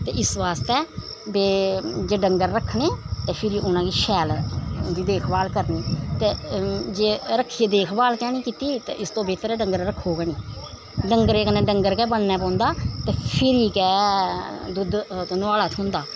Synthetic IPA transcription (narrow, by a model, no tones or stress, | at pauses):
t̪eːʔɪsʋaːst̪ɛː | beːd͡ʒeːɖəŋɡəɾːəkʰːneːt̪eːpʰɪɾiːʔʊnãːkiːʃɛːld̪iːd̪eːkʰbaːlkəɾniːt̪eːd͡ʒeːɾəkʰːieːd̪eːkʰbaːlkɛːnĩːkiːt̪iːt̪ḛːʔɪst̪õːbeːt̪əɾɛːɖəŋɡəɾɾəkʰːoːɡəniː | ɖəŋɡəɾeːkənẽːɖəŋɡəɾkɛːbəɽnɛːpɔ̃ːnd̪aːt̪eːpʰɪɾiːkɛː | d̪ʊd̪t̪onʊaːlaːt̪ʰɦʊ̃nd̪aː